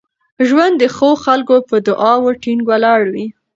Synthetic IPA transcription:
ʒwand̪ːəxoxalkopəd̪ʊʔɑwoʈiŋɡwalɑɽwi

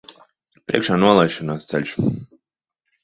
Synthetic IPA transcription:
pɾiɛkʃaːnuɔlˠajʃɔnaːst̪sɛ̰lʲʃ

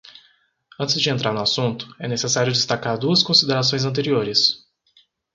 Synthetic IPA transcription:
ɐ̃t͡ʃɪzd͡ʒɪẽnt̪ɾʔaɾnʊasũnt̪ʊ̥ɛnesesaɾjʊd͡ʒɪst̪akaɾd̪uɐskõsid̪eɾas̬õj̃zɐ̃nt̪eɾioɾɪs

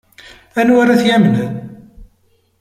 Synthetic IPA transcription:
ænwaɾaθjæmnæ

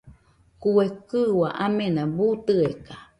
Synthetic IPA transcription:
kuekɨwaʔamẽnãbut̪ɨeka

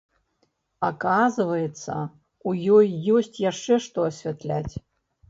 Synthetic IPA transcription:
akazɨvɐjɛt̪sːɐ̰ | ujɔjːɔsʲt͡sʲjaʂt͡ʂɛʂt̪ɔɐsʲvʲat̪lʲat͡sʲ

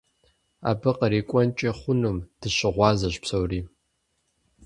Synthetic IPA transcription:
a̰ːbɨqɐɾiːkʷʼɔnt͡ʃʼɐχʷʊnɨmd̥ɨɕɪʁʷɑːzɐɕpsɐwriː

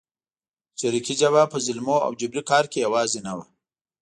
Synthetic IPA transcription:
t͡ʃaɾikid͡ʒaβapəzɪlmoa̰wd͡ʒʊbɾikɑːɾkejawɑːzenawa

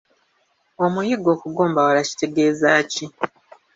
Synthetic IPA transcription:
o̞mujiɡo̞ːkuɡoːmbawalaci̥te̞ɡe̞ːzaːci

